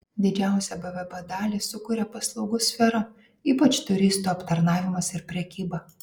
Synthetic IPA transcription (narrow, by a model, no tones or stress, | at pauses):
d̪ʲɪd͡ʒʲæˑʊsʲɛbɛʋʲɛbɛd̪ɑːlʲisʊkuːɾʲɛpɐslˠɒʊɡʊsʲfʲɛɾɐ | iːpɐt͡ʃt̪ʊɾʲɪst̪uːɐpt̪ɐɾnɑːʋʲɪmɐsɪɾpʲɾʲɛkʲiːbɐ